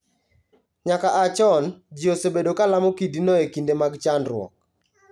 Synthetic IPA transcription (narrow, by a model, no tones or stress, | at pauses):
ɲakaʔat͡ʃɔnd͡ʒiosebedokalamokidinɔekindemaɡt͡ʃanɾwɔ̰k̚